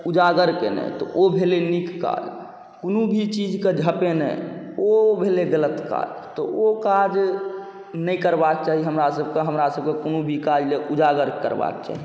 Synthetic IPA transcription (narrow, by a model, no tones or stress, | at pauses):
ud͡ʒaɡəɾkḛnɛ̰t̪ɔ̰ʔobʱelenikːa̰d͡ʒ | konubʱit͡ʃid͡ʒked͡ʒʱəpenə̰ | obʱeleɡələt̪ka̰d͡ʒt̪ɔokad͡ʒ | nəikəɾbak̚t͡ʃaːɦiɦəmɾasəb̚keɦəmɾasəb̚kekonubʱikad͡ʒleʔud͡ʒaɡəɾkə̰ɾba̰kt͡ʃa̰ːɦi